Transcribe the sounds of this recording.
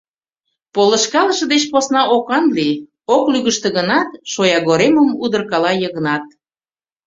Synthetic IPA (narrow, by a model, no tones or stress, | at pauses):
polə̆ʃkɑlə̆ʃɤ̆d̪et͡ɕposnɑʔokɑnli | oklyɣəʃt̪ĕɣənɑt̪ʃojɑɣoɾeməmud̪ərkɑlɑjəɣənɑt̪̚